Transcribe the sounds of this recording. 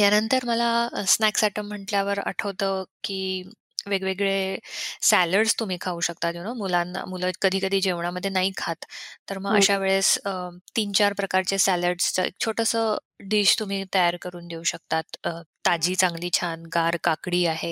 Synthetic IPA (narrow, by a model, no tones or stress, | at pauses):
t̪janənt̪əɾməlasnæksɛʈəm̤ːəɳʈljaʋəɾə̰ʈʰəʋt̪əkiː | ʋeɡʋeɡɭesæləɽst̪um̤iːkʰauːɕək̚t̪ad͡ʑoñəmulanmuləkəd̪ʱiːkəd̪ʱiːd͡ʑeʋɳaməd̪ʱjenaɦiːkʰat̪ːəɾməɡə̰ɕaʋeɭest̪iːnt͡ɕaɾpɾəkaɾt͡ɕesæləɖsəḛk̚t͡ɕʰoʈəsə | ɖiːɕt̪um̤iːt̪əjaɾkəɾuːnd̪euːɕək̚t̪at̪əː | ad͡ʑiːt͡sãŋɡliːt͡ɕʰanɡaɾkakɽiːaɦe